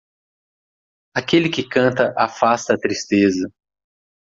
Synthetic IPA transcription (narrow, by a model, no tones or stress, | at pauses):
akelɪkɪkɐ̃nt̪ɐʔafast̪ɐːt̪ɾist̪ezɐ